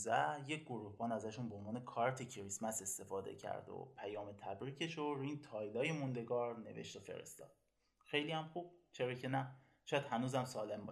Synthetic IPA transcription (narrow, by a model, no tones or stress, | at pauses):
zæje̞cʰɡoɾuːhbɒːnæzæʃunbeonvɒːne̞kʰɒːɾt̪ʰecʰɾismæse̞st̪e̞fɒːd̪ḛcʰæ̰ɾd̪o̰pʰæjɒːme̞t̪ʰæbɾiːcʰe̞ʃoɾint̪ʰɒːjd̪ɒːjemund̪e̞ɡɒːɾne̞̰ve̞̰ʃt̪ofe̞̰ɾḛst̪ɒ̰ːd̪̥̚ | xe̞jlijæmxuːb̥̚t͡ʃʰeɾɒːcʰe̞næ | ʃɒːjæd̪hænuːzæmsɒːle̞mbɒʃ